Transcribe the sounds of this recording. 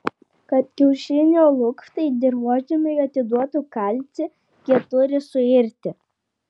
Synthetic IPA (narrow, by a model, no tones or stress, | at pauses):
kɐt̪kʲɛʊʃʲɪnʲoːlˠʊkft̪ɐɪd̪ʲɪɾʋuɔd͡ʒʲɪmʲɪjuɐt̪ʲɪd̪uɔt̪ukɐlʲt̪sʲɪ | kʲiɛt̪ʊɾʲɪsʊɪɾʲt̪ʲɪ